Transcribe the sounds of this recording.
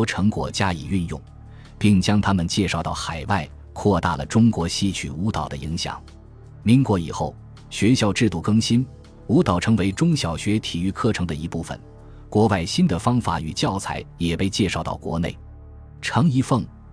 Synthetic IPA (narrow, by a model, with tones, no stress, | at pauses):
ʈ͡ʂʰɤ˧˥ŋkwɔ̰˨˩t͡ɕja˥ḭ˨˩y˥˧njʊ̰˥˩ŋ | pi˥˩ŋt͡ɕjɑ˥ŋt̪ʰa˥mə˨nt͡ɕjɛ˥˧ʂɑ˥˧ʊt̪ɑ˥˩ʊxa˨˩ɪwa˥˩ɪ | kʰwɔ˥˧t̪a̰˥˩lə̰˩ʈ͡ʂʊ˥ŋkwɔ˧˥ɕi˥t͡ɕʰy̰˨˩u˧˥t̪ɑ˨˩ʊd̪ə̰˦i˧˥ŋɕjɑ̰˨˩˦ŋ | mi˧˥ŋkwɔ˧˥ḭ˨˩xo˥˩ʊ | ɕɥɛ˧˥ɕjɑ˥˧ʊʈ͡ʂɻ̩˥˧t̪u˥˩kɤ˥ŋɕi˥n | u˧˥t̪ɑ˨˩ʊʈ͡ʂʰɤ˧˥ŋwe˧˥ɪʈ͡ʂʊ˥ŋɕjɑ˨˩ʊɕɥɛ˧˥t̪ʰi˨˩y˥˧kʰɤ˥˩ʈ͡ʂʰɤ˧˥ŋd̪ə˧i˧˥pu˥˩fə̰˨˩n | kwɔ˧˥pa˥˩ɪɕi˥nd̪ə˨fɑ˥ŋfa̰˨˩˥y̰˨˩t͡ɕjɑ˥˩ʊt͡sʰa̰˧˥ɪjɛ˨˩pe˥˧ɪt͡ɕjɛ˥˧ʂɑ˥˧ʊt̪ɑ̰˥˩ʊkwɔ̰˧˥nḛ˥˩ɪ | ʈ͡ʂʰɑ˧˥ŋi˧˥fɤ˥˩ŋ